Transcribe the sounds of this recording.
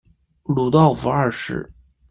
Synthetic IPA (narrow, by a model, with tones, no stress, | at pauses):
lu˨˩t̪ɑ˥˩ʊfu˧˥ɐ˞˥˧ʂɻ̩̰˥˩